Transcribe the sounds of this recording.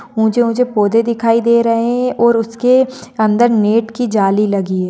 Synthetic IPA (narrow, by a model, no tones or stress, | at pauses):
ʊ̃d͡ʒemʊ̃d͡ʒʱepoːd̪ed̪ɪkʰaːid̪eːɾɐɦeɛ̃ʔɔːɾʊskeɐ̃nd̪əɾneːʈkid͡ʒaːlilɐɡiɛː